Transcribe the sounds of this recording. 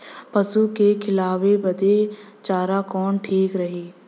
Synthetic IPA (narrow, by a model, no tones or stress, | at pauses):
pɐsukekʰɪlaːʋebɐd̪e | t͡ʃaːɾakɔːnʈʰiːkɾɐɦeː